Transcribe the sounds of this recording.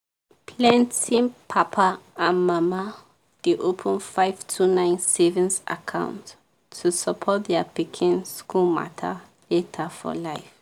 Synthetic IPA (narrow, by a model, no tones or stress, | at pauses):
pʰlãntĩŋpʰapʰaãnmama | d̥eʔopʰə̃nfaɪv̥tʰunãɪ̃nsɛvĩnsa̰kʰã̰ʊ̃ntʰː | usəpʰɔt̚dɛəpikʰĩnskulma̰tʰə̰ | letʰəfɔ̰laɪf